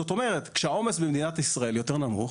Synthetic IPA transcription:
ot̪o̞me̞ʁet̪kʃeao̞mesbemd̪inat̪isʁae̞ljo̞te̞ʁnamṵχ

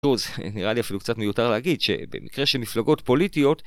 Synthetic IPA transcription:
uzniʁaliafilukt͡satmejutaʁleaɡidʃe̞̰be̞̰mḭkʁe̞ʃemiflaɡo̞tpo̞litijo̞t̪

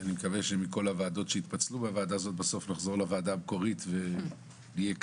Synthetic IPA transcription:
animekaveʃemiko̞lavaːdo̞tʃeit̪pat͡slubeavaːd̪azo̞t̪̚baso̞fnaχzo̞ʁlavaːdaːbko̞ʁit̪ve | lijek

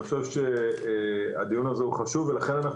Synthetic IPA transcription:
χʃevʃe | a̰d̪ijunazeuχaʃuvelaχe̞nanaχ

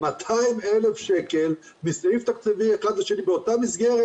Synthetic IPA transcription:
mat̪ʰaimelefʃekel | misift̪akt͡sivieχad̪laʃenibeot̪amisɡeʁe

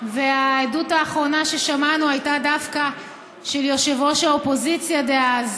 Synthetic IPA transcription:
veaedutaːχʁo̞naʃe̞ʃamanuajtadafka | ʃeljo̞ʃevo̞ʃelopo̞zit͡sjadeaz

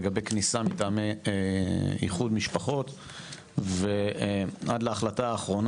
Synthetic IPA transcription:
ɡabejknisamitaːme | ḭχud̪miʃpaχo̞t̪ | veʔadlaːχlataːχʁo̞n

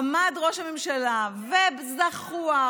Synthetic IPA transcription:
mad̪ʁo̞ʃamemʃalavebzaχua

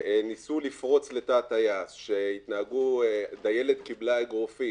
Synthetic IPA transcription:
enisulifʁo̞t͡slet̪aːt̪ajasʃeit̪nahaɡud̪ajelet̪kiblaɡʁofi

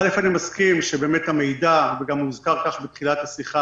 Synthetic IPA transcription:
alefanimaskimʃebe̞ːmethame̞jdaveɡammuzkaʁkaχbet̪χilathasiχa

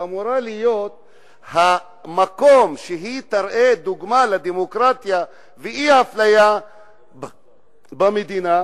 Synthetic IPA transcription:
amuɾalijo̞t̪̚ | ha | mako̞mʃeɦit̪aɾʔed̪uɡmaled̪emokɾat̪ja | veʔiaflaja | bamed̪ina

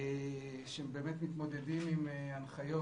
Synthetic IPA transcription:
ʃembe̞ːmet̪mit̪mo̞d̪e̞d̪imimeanχajo

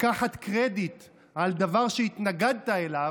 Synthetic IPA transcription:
kaħat̪kʁed̪it̪ | ald̪avaʁʃeit̪naɡad̪̚t̪aela

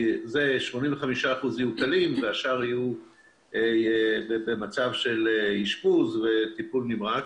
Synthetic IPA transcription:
zeʃmo̞nĩmveχamiʃaːχuzijukalimveaʃaʁiju | ebebemat͡savʃe̞leiʃpuzve̞t̪ipulnimʁa

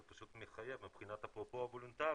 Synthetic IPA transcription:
paʃut̪miχajevmibχinat̪hapʁopoavolunt̪a

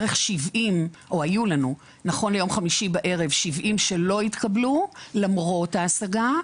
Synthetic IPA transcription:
ʁeχʃivʔimʔo̞ajulanu | naχo̞nlejo̞mχamiʃibaʔe̞ʁe̞vʃivʔimʃe̞lo̞itkablulamʁo̞taːsaɡa

